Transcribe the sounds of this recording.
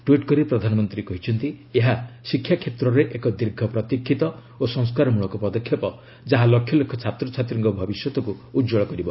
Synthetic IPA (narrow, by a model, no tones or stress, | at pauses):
ʈwiʈkɔɾipɾɔd̪ʱanɔmɔnt̪ɾikɔɦit͡ʃʰɔnt̪ieɦasikʰːjakʰet̪ɾɔɾeʔekɔd̪iɾɡʱɔpɾɔt̪ikʰːit̪ɔ | osɔ̃ŋskaɾɔmuɭɔkɔpɔd̪ɔkʰjɔpɔ | d͡ʒaɦalɔkʰjɔlokʰːɔt͡ʃʰat̪ɾɔt͡ʃʰat̪ɾiŋkɔbʱɔbisjɔt̪ɔkuːd͡ʒɔɭɔkɔɾibɔ